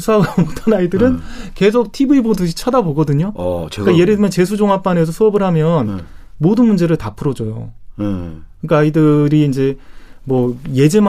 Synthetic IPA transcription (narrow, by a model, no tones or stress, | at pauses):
sʰaɡamotʰanaidɯɾɯnke̞s̬ʰok̚tʰibuibodɯɕʰi̥t͡ɕʰadaboɡʌdɯɲokaje̞ɾedɯmjʌnt͡ɕe̞sʰud͡ʑoŋɦap͈ane̞s̬ʰʌsʰoʌbɯɭɦamjʌnmodɯnmund͡ʑe̞ɾɯɭtapʰɯɾʌd͡ʑojo̰ | kkɯnik͈aidɯɾiːnd͡ʑe̞mwʌje̞d͡ʑe̞m